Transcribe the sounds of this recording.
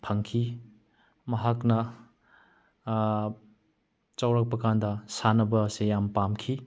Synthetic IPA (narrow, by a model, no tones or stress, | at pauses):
pʰɐŋkʰi | mɐɦaknɐ | t͡ʃawɾak̚pɐkandɐsanɐbɐːsejampamkʰi